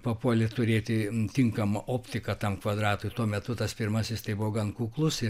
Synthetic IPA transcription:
pɐpuɔlʲɪt̪ʊɾʲeːt̪ʲɪt̪ʲɪŋkɐmɐʔoːpʲt̪ʲɪkɐt̪ɐmkʋɐd̪ɾɑːt̪ʊːjt̪uɔmʲɛt̪ʊt̪ɐspʲɪrmɐsʲɪst̪ɐɪbʊʋoɡɐnkuːklˠʊsɪ

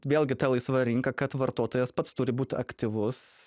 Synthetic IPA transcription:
ʋʲeːlʲɡʲɪt̪ʲɛlˠɐɪsʋɐɾʲɪŋkɐkɐt̪ʋɐɾt̪oɔt̪oːjɛspɐt̪st̪ʊɾʲɪbuːt̪ʲɐ̰kt̪ʲɪʋʊs

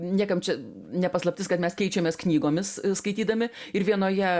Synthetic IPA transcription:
nʲiɛkɐmt͡ʃʲɛ | nʲɛpɐslˠɐp̚ʲt̪ʲɪskɐt̪mʲɛskʲɛɪt͡ʃʲɛmʲeːsknʲiːɡoːmʲɪsskɐɪt̪ʲiːd̪ɐmʲɪɪɾʋʲiɛnoːjɛ

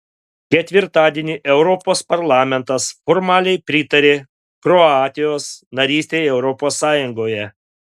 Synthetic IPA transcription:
kʲɛt̪ʲʋʲɪɾt̪ɑːd̪ʲiɛnʲiʔɛʊɾɔpoːspɐɾlˠɑːmʲɛnt̪ɐsfɔːɾmɑːlʲɛɪpʲɾʲɪt̪ɐɾʲeː | kɾɔɑːt̪ʲɪjoːsnɐɾʲiːsʲt̪ʲeːjɛʊɾɔpoːsːɑːjʊŋɡoːjɛ

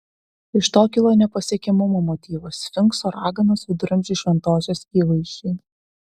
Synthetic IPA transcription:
ɪʃt̪oːkʲɪlˠoːnʲɛpɐsʲiɛkʲɛmʊmoːmɔt̪ʲiːʋosfʲɪŋksoːɾʔɑːɡɐnɐsʊd̪ɾɐmʲd͡ʒʲiʃʲʋʲɛnt̪oːsʲoːsiːlˠɐɪʃʲiː

